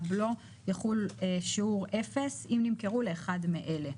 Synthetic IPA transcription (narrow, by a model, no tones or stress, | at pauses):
blo | jaχuleʃiuʁʔe̞fe̞simnimkeʁuleːχadmeʔe̞le̞